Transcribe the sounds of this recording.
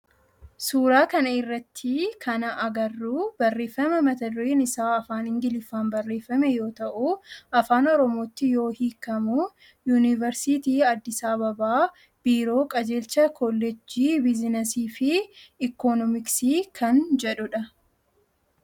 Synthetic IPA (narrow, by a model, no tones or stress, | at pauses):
suːɾaːkɐnɐɪrːɐt̪ʰːikʰɐnɐʔɐɡɐrːuːbɐrːe̞ːfːɐmɛmɐt̪ɐd̪ʊɾeːnɪsaːɐfaːnɪŋɡɪlɪfːaːmbɐrːe̞ːfːɐmɛjo̞ːt̪ɐʔuɐfaːnɔɾɔmo̞ːt̪ːɪjo̞ːhiːkːɐmu | juːnɪvɐɾsit̪iːɐd̪ːɪsaːbɐbaː | b̥iːɾo̞ːkʼɐd͡ʒe̞ːlt͡ʃɐkɔlːɛd͡ʒiːbɪzɪnɐsiːfɪːkɔnɔmɪksiːkʰɐnd͡ʒɛᶑʊᶑɐ